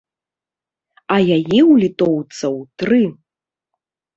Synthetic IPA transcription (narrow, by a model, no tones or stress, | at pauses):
ɐjajiwlʲit̪ɔwt̪sɐwt̪ɾɨ